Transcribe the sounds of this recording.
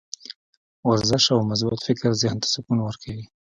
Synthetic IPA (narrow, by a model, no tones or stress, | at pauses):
waɾzɪʃawmas̬but̪fɪkɾzjɑnt̪ḁsʊkunawəɾkʰawi